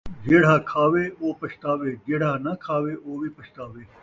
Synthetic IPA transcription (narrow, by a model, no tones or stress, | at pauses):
d͡ʒeːɽ̤aːkʰaːʋeːoːpɐʃt̪aːʋeːd͡ʒeːɽ̤aːnɐkʰaːʋeːʔoːbʱipɐʃt̪aːʋeː